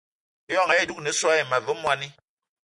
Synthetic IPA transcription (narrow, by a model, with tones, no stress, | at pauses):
jɔ˦˨ŋa˨e˦˨du˦k̚ne˨˦sa˦ji˨ma˨və˨˦mwa˨ni˦